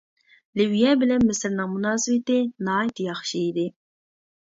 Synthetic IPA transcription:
lɪwjɛbɪlɛnmɪsɪɾnɨŋmunɑːsɨwɪt̪ɪnɑːit̪ʰjɑχʃiːd̪ɪ

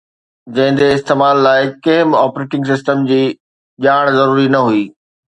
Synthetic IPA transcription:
d͡ʑɐ̃ɦɪ̃n̆d̪eɪst̪eːmaːlːaːɪkɐ̃ɦɪ̃maːpɾeːʈɪ̃ŋɡs̬ɪsʈəmd͡ʑiː | ʄaːɽ̃zɐɾuːɾinɐɦuiː

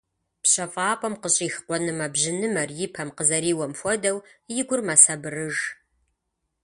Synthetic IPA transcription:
pɕɐfʼaːpʷʼɐmqəɕʼiːxqʷɔnɨmabʑɪnɨmɐrjɪpʰɐmqəzɐɾiːwɐmfʷɔdɐwjɪɡʷʊrmasɐbɨrɨʒ

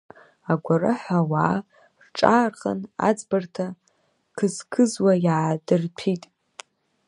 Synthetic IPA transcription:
aɡʷarɨħʷawaː | rʈ͡ʂʼaːrχʼa̰na̰d͡zbartʰa | kʰɨzkʰɨzwajaadɨrpʰitʼ

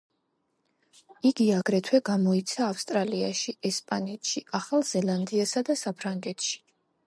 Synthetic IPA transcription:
iɡiaɡɾɛt̪ʰwɛɡamɔit̪sʰaːfst̪ʼɾalia̰ʃiɛspʼanɛt̪ʃiaχalˠz̥ɛlˠand̪iasad̪asapʰɾaŋɡɛt̪ʰʃi̥

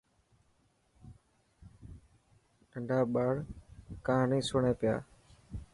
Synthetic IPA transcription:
əɳɖʱaːɓaːɽkãːnĩːsʊɳẽːpɪja̰ː

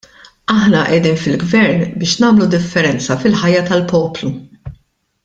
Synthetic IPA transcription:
ɐħnɐʔɛd̪iːnfɪlɡvɛɾnbɪːʃnɐːmlud̪ɪfːɛɾɛnt͡sɐfɪlħɐjːɐt̪ɐlpɔːplu

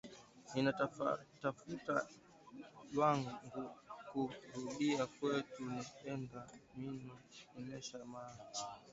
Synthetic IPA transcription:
ninatafuta | lwaŋɡukuɾuɗiakwɛtunapɛndaminɔninɛʃama

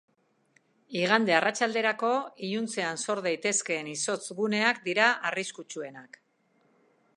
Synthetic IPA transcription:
iɣ̞and̪e̞arʔat͡ʃald̪e̞ɾako̞iʎunt͡se̞anso̞ɾðajt̪e̞ske̞ːniso̞t͡sɡune̞akd̪iɾaʔariskut͡ʃue̞nak

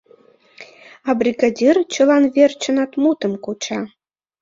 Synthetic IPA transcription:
ɑbrʲiɡadʲirt͡ɕɤ̆lɑnβʲert͡ɕə̆nɑt̪mut̪ə̆mkut͡ɕɑ

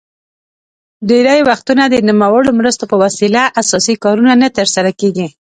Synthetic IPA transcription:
ɖeɾajwaxt̪unad̪ənimawəɽomɾəst̪opəwasilaʔasɑsikɑɾunanat̪əɾsaɾakeɡi

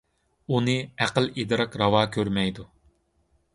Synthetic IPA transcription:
unɨæqəlid̪ɨɾɑqɾɑwɑːkʲʰøɾmɛjd̪u

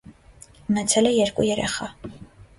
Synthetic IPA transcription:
unɛt͡sʰɛlɛjɛɾkʼṵjɛɾɛ̰χɑ

